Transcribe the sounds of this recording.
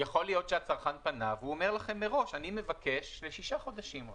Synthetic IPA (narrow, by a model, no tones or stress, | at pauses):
jaχo̞lijo̞t̪ʃeat͡saʁχanpanavuomeʁlaχe̞mːeʁo̞ʃanime̞vake̞ʃleʃiʃaχo̞d̪aʃim